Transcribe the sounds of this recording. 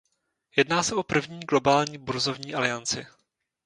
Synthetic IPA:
jɛdnaːsɛʔo̞pr̩vɲiːɡlo̞baːlɲiːbuɾzo̞vɲiːʔalɪant͡sɪ̰

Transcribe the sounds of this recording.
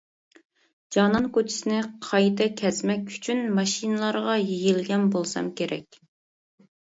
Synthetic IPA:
d͡ʒɑnɑŋkot͡ʃʰi̥sɪnɪqʰɑjt̪ɛkʲʰɛzmɛkʲy̥t͡ʃʰynmɑʃinɨlˠɑɾʁɑjijilɡʲɛnbolˠsɑ̰mkʲeɾɛ̰kʲ

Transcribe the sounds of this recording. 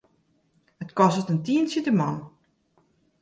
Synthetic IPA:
ətkɔsətəntiənsitəmɔn

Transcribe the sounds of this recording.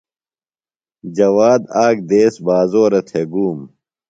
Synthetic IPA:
d͡ʑɐwaːd̪aːk̚d̪eːsbaːzoːɾɐt̪ʰeɡuːm

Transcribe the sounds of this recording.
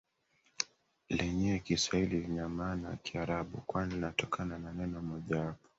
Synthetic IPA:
lɛɲɛkiswaililiɲamanakiaɾaɓṵkwaninatɔkʰanananɛnɔmɔʄawapɔ̥

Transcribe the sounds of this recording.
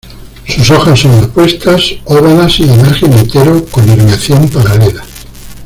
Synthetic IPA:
suso̞xasːonapwe̞st̪asoβanasiemaɾxenent̪eɾokoniɾmjaθjompaɾalela

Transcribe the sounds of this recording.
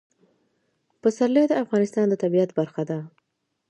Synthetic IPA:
pəsaɾled̪əafɣɑnɪst̪ɑnd̪ət̪abiat̪baɾxad̪a

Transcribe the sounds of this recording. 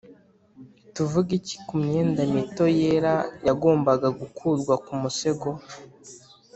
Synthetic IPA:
tuvuɡici̥kumɲe̞ːndamito̞jeːɾajaɡo̞ːmbaɡaɡukʰuːɾɡwakumuse̞ɡo̞

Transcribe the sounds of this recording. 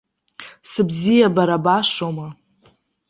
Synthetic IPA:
sɨbzijabaɾabaʂoma

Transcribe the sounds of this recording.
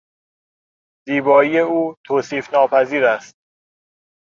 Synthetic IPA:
ziːbɒːije̞uːt̪ʰoːsiːfnɒːpʰæziːɾæst̪̚

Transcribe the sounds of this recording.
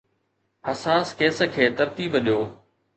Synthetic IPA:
hɐsaːskeːsə̆kʰeːt̪ɐɾt̪iːbəɗjoː

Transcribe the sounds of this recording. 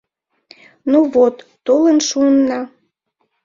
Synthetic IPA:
nuvot̪ːolənʃuənːɑ

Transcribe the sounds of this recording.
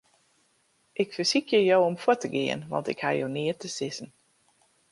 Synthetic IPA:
ʔɪkfəsikʰjəjowɔmfʊtəɡɪ̰ːə̰nʋɑ̰ntɪ̰kha̰jo̰wnɪːtəsɪsən

